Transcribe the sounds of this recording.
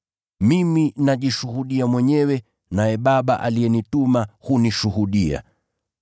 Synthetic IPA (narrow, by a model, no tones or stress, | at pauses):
miminaʄiʃuhuɗiamwɛɲɛwɛ | najɛɓaɓaʔaliɛnitumahuniʃuhuɗia̰